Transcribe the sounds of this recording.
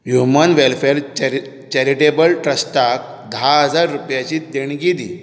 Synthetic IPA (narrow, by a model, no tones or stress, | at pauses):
ɦjumənʋelfeɾ | t͡ɕɛɾiʈebəlʈɾəsʈak̚ | d̪ʱaɦəd͡zaɾːupjat͡ɕiːt̪d̪eɳ̃ɡid̪i